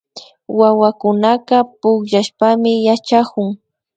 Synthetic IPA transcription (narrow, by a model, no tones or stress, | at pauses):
wawakʊnaqɑpʊkʎaʃpamɪjat͡ʃakʊŋ